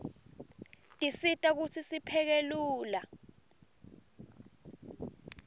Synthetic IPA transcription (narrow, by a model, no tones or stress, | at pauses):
tʼisitʼak̬ut͡sʰisipʰɛk̬eluːla